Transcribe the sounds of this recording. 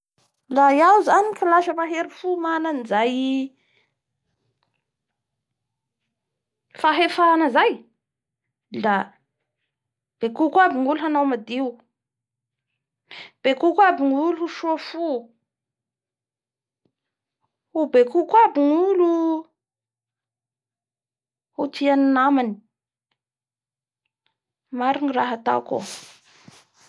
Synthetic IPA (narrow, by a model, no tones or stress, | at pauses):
lajawzanikilaʃəmaɦeɾifumananizaj | faɦefaanəzaj | la | b̥ekukwabiŋuluanawmad̪iu | b̥ekukwabiŋuluuʃuafu | ubekukabiŋulu | hut̪ianinamani̥ | maɾiniraɦat̪a̰ko̰